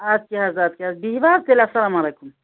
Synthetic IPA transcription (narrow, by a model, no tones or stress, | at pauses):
aːd̪̚keɦaːzaːd̪̚keɦaːzbiɦʋaːɾd̪elasɐlaːmaleːkum